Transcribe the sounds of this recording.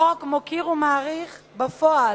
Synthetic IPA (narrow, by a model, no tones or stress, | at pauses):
okmokiʁumaːʁiχ | bafoa